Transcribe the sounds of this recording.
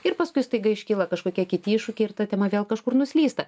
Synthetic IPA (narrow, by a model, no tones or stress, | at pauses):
ɪɾpɐskʊɪst̪ɐɪɡɐɪʃʲkʲɪːlˠɐkɐʃkoːkʲiɛkʲɪtʲiɪʃʊkʲɛɪɪrt̪ɐt̪ʲɛmɐʋʲeːlˠkɐʃkʊrnʊsʲlʲiːst̪ɐ